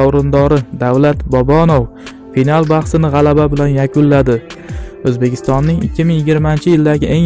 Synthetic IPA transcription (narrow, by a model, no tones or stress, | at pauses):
ɒwɾɪnd̪ɒɾɪd̪awlat̪bɒbɒnow | finalˠbɑχsɪnɪʁɑlababɪlanjakʰʊnlad̪ɪɵzbe̞kʲʰɪ̥st̪ɒnːɪŋɪkʲːɪmɪŋjɪɡʲɪɾmant͡ʃʰɪjɪld̪aɡʲɪʔe̞ŋ